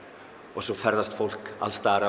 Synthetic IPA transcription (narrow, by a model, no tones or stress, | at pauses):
ɔɣsɔfɛɾðast̪fowl̥ka̰lst̪aːɾa